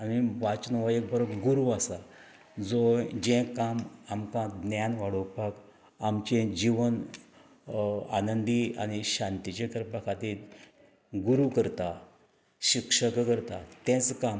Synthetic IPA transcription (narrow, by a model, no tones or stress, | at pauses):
amiʋat͡ɕnɔʋaek̚bəɾəɡuɾuasa | d͡zod͡ʑẽkamamkãd̪njanʋaɽopak | amt͡ɕẽd͡ʑiʋən | a̰nənd̪ia̰ñiɕãnt̪it͡ɕẽkəɾpəkʰat̪il | ɡuɾukəɾt̪a | ɕikʂəkkəɾt̪at̪ɛ̃t͡skam